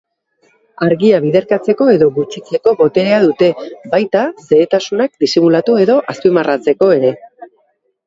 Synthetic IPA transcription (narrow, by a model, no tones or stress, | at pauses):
aɾɣiaβ̞iðe̞ɾkat͡se̞ko̞e̞ðo̞ɣut͡ʃit͡se̞ko̞βo̞t̪e̞ɾeaðut̪e̞bajt̪ase̞ːt̪asunak̚d̪isimulat̪ue̞ðo̞ʔaspimarat͡se̞ko̞e̞ɾe̞